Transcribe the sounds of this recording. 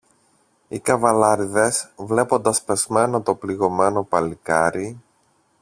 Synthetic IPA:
ikɐvɐlɐɾiðe̞svle̞po̞nd̪ɐspe̞zme̞not̪o̞pliɣo̞me̞no̞pɐlikɐɾi

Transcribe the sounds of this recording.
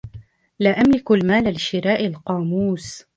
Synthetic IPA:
laːʔamlɪklmaːlalɪʃɪɾaːʔalqɑːmuːs

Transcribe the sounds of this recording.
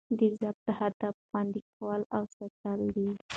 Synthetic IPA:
d̪izab̚t̪əhad̪afxwɑnd̪ik̚ʰawəlawsat̪ald̪i

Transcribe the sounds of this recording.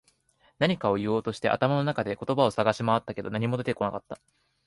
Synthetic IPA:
naɲ̟ikao̞jɯ̟oːt̪o̞ɕi̥t̪e̞ʔa̰t̪amano̞nakad̪e̞ko̞t̪o̞bao̞saɡaɕimaβat̪ːake̞d̪o̞̰naɲ̟imo̞d̪e̞t̪e̞ko̞nakat̪ːa

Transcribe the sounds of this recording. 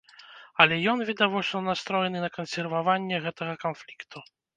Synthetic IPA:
ɐlʲɛjɔnvʲɛd̪avɔt͡ʂnɐnast̪ɾɔjɛnɨnɐkɐnsʲɛrvavanʲːɛɣɛt̪ɐɣɐkanflʲikt̪ʰu

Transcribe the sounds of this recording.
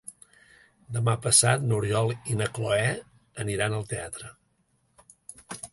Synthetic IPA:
d̪əmapəsat̪nuɾjɔlˠinəkloɛ | əniɾanəlˠt̪eat̪ɾə

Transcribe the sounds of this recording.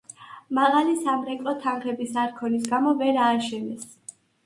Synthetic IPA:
maʁalisamɾɛkʼɔt̪ʰanχɛbisaɾkʰɔnis̬ɡamɔvɛɾaːʃɛnɛs

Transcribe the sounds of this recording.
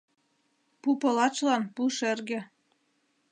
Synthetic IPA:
pupɤlɑt͡ʃlɑnpuʃerɣĕ

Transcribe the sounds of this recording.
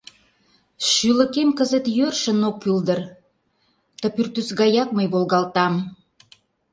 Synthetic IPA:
ʃylə̆kemkəzə̆t̪jørʃə̆nokːyld̪ər | t̪əpyrt̪ysɣɑjɑk̚məjβolɣɑlt̪ɑm

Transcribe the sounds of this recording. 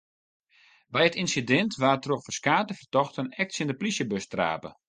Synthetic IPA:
bɛjətinsidɛntʋaːrtroxfərskaːtəfərtɔxtənɛk̚tsɪndəplisjəbøstra̰ːpə̰

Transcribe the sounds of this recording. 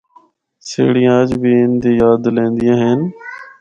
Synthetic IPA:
sḛːɽɪjãːəd͡ʒbʱiːɪnd̪iːjaːd̪lẽːnd̪ɪjãːɦeːn

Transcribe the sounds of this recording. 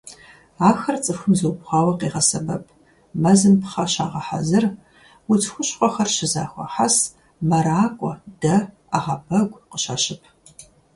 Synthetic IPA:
aːxɐrt͡sʼɨfxʷɨmzuwpχʷɑːwɐqeːʁɐsɐbɐpʰ | mɐzɨmpʰχɐʃaːʁɐħa̰zɨr | wʊtʰxʷʊɕʼqʷʼɔxɐrʃɪzaːxʷɔ̰ħas | mɐɾaːkʷʼɔd̥ɐ | aʁɐbɐɡʷqəɕaɕɪpʰ

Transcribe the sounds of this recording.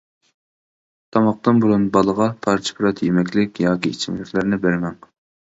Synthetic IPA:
t̪ʰɑmɑq̚t̪ɨnbuɾunbɑlˠəʁɑpʰɑɾt͡ʃʰɪ̥pʰɾɑt̪ʰjemɛkʲlɪkʲjɑːkʲiit͡ʃʰimlɪkʲʰlæɾnɪbæɾmɛŋ

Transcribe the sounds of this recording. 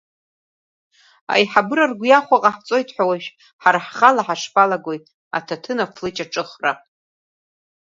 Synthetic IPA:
a̰jħabɨɾarɡʷjaχʷaqʼaħt͡sʼo̞jtʰħʷᶣawaʃᶣ | ħarħχalaħaʂpalaɡojtʼ | a̰tʰatʰɨnafʰlɨt͡ʃʼaʈ͡ʂʼɨχra

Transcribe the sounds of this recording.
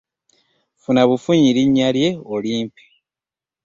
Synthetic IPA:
funaβufuɲiɾiɲːalje̞oliːmpi̥

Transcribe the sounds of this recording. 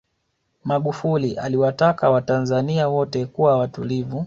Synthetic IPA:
maɠufuliʔa̰liwatakawatanzaniawɔtɛkuwawatulivu

